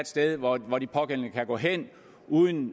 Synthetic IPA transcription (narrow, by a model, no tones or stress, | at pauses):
d̥sd̥eð̞ˠʋɒʋɒd̥ipʰɒ̽ɡ̥en̰l̩nəkʰæɡ̥ɔ̰̽ːɦen̰ | uːð̞ˠn̩